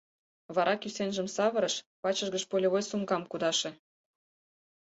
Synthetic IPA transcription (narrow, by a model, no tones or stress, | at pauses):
βɑɾʔɑkysenʒə̆msɑβə̆ɾɤ̆ʃpɑt͡ɕəʒɣəʃpolʲeβojsumkɑmkud̪ɑʃĕ